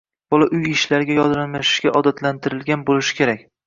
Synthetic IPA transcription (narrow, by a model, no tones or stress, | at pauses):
b̥ɒlˠaʔʊjɪʃlaɾɡʲajɒd̪ɾamaʃʃɡʲaʔɒd̪at̪ʰlant̪ʰɪɾɪlɡʲanbolɪʃɪ̥kʲʰe̞ɾak̚ʲ